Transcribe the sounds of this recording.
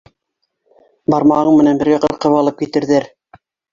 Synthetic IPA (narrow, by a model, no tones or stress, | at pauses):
bɑɾmɑʁɤɴmɘ̆nænbɘ̆ɾɡæqɤɾqɤ̆βɑlˠɤp̚kit̪ɘ̆ɾðæɾ